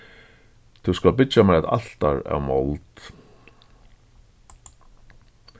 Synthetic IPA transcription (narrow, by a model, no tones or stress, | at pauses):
t̪ʰuwskalpɪt͡ʃamɛɛt̪a̰l̥t̪aɾa̰wmolt̪